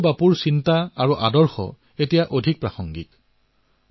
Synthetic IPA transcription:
bapuɹsintaaɹuʔadɔɹxɔ̰ | etijaʔodʱik̚pɹaxɔŋɡit

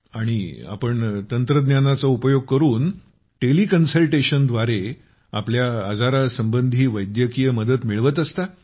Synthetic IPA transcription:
aɽ̃ia̰pəɳt̪ənt̪ɾəd̪njanat͡saupəjoɡ̚kəɾuːn | ʈelikənsəlʈeɕənd̪ʋaɾe | a̰pljaːd͡zaɾasəmbənd̪ʱiːʋəjd̪jəkijəməd̪ət̪miɭʋət̪̬əst̪a

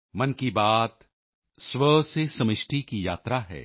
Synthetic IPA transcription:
mɐnkibaːt̪ | sʋəsesɐmɪʃʈikija̰ːt̪ɾaɦɛ̰ː

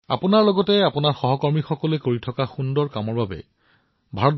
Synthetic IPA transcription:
a̰pʊnaɹlɔɡɔtɛapʊnaɹxɔɦɔkɔɹmixɔkɔlɛkoɹitʰɔkaxundɔɹkamɔɹbabɛ̰ | bʱaɹɔt

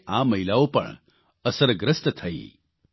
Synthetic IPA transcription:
ãməɦilaopə̰ɳ | əsəɾɡɾəst̪t̪ʰəḭ

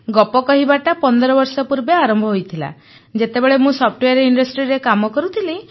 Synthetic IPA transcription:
ɡɔpɔkɔɦibaʈapɔnd̪ɔɾɔbɔɾsɔpuɾbeaɾɔmbʱɔɦojt̪ʰila̰ | d͡ʒet̪ebeɭemũsɔpʰʈweaɾiɳɖɔsʈɾiɾekamɔkɔɾut̪ʰili

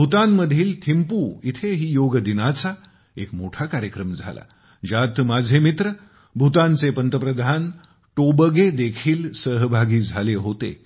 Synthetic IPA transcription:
bʱut̪ãmːəd̪ʱiːlt̪ʰimpuːit̪ʰeɦiːjoɡd̪inat͡sa | ekmoʈʰakaɾjəkɾəmd͡zʱa̰la̰ | d͡ʑat̪mad͡zʱemit̪ɾə | bʱut̪ãnt͡sepənt̪əpɾəd̪ʱan | ʈobəɡed̪ekʰiːlsəɦbʱaɡiːd͡zʱaleɦot̪ḛ

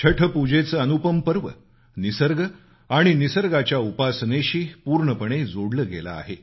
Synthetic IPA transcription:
t͡ɕʰəʈʰəpud͡ʑet͡səːənupəmpəɾʋə̰ | nisəɾɡə | aɽ̃inisəɾɡat͡ɕjaupasneɕiːpuːɾɳəpəɽ̃ed͡zoɽləɡḛla̰ːɦe

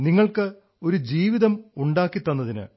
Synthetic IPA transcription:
niŋːɐɭkɨ | o̞ɾud͡ʑiːʋiðɐmuɳɖaːkːit̪ːɐnːɐðinɨ̰

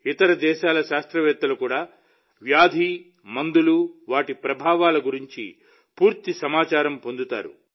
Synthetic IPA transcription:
it̪ɐɾɐd̪ɛːʃaːlɐʃaːst̪ɾɐʋɛːt̪ːɐlukuːɽaː | ʋjaːd̪ʱi | mɐnd̪uluʋaːʈipɾɐbʱaːʋaːlɐɡuɾiɲt͡ʃḭ | puːɾt̪isɐmaːt͡ʃaːɾɐmpo̞nd̪ut̪a̰ːɾṵ

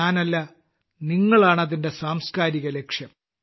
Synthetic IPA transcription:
aːnɐlːɐ | niŋːɐɭaːɳɐðinde̞saːmskaːɾiɣɐle̞kʂjɐm

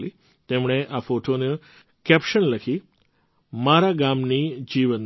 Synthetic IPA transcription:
li | t̪emɳ̃eʔafoʈone | kɛpʃənləkʰi | maɾaɡamnid͡ʒiʋən

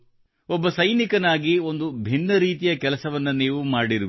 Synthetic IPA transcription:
ɔbːɐsɐjnikɐnaːɡio̞nd̪ubʱinːɐɾiːt̪ijɐkɛlɐsɐʋɐnːuniːʋumaːɽiɾuʋi

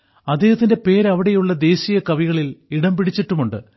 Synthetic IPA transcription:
ɐd̪ːeːhɐt̪ːinde̞pe̞ːɾɐʋiɽe̞juɭːɐd̪e̞ːɕijɐkɐʋiɣɐɭiliɽɐmpiɽit͡ɕːɐʈːumuɳɖɨ

